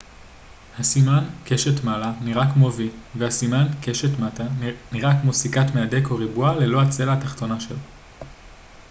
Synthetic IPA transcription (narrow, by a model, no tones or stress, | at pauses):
hasimankeʃetmalaniʁakmoviveasimankeʃetmataniʁakmosikatmeade̞koʁibuale̞lo̞at͡se̞laːtaχt̪o̞naʃelo